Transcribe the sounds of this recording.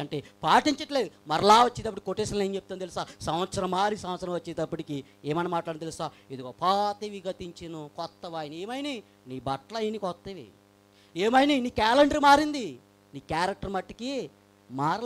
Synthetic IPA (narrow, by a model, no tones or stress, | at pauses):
ɐɳʈeːpaːʈiɲt͡ʃɐʈleːd̪umɐɾɐlaːʋɐt͡ʃːeːd̪ɐpːɐʈikikoʈːeːsɐɾɐneːɲt͡ʃep̚t̪ant̪elisaːsɐmʋɐt̪sɐɾɐmːaːɾisɐ̃mʋɐt̪sɐɾɐmʋɐt͡ʃːeːd̪ɐpːɐʈiki | eːmɐnamaːʈlaɾɽint̪elisaːed̪uɡoːpaːt̪iʋiɡɐt̪iɲt͡ʃinukɔt̪ːɐʋaːjineːmɐjni | niːbɐʈlɐjnikɔt̪ːɐʋḭ | eːmɐjniniːkaːleɳɖɐɾmaːɾind̪i | niːkaːɾɐk̚ʈɐɾmɐʈːiki | maːɾ